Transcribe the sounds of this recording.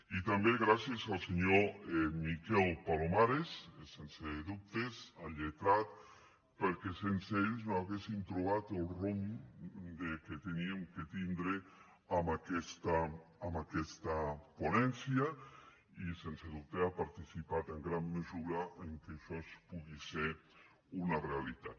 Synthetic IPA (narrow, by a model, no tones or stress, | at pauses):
it̪ambeɣɾasjezalˠseɲomikɛlˠpalomaɾessenseðup̚t̪esaʎet̪ɾat̪̚ | pəɾkesenseeʎznoaɣesint̪ɾuβ̞at̪elˠrom | d̪eket̪eniemket̪ind̪ɾe | amakɛst̪aːmakɛst̪aponɛnsja | isenseðup̚t̪eapaɾt̪isipat̪eŋɡɾamːəzuɾaʔeŋkeʃɔspuɣiseɾ | unarealit̪at̪